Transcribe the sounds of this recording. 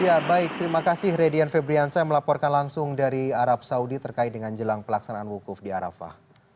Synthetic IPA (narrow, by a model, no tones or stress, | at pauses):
jabaɪk̚t̪əɾimakasɪhɾediɛnfebɾiansajaməlapɔrkanlaŋsʊŋdaɾiaɾap̚saudit̪ərkaɪt̪̚dəŋand͡ʒəlaŋpəlaksanaʔanwukʊfdiaɾa̰fa̰h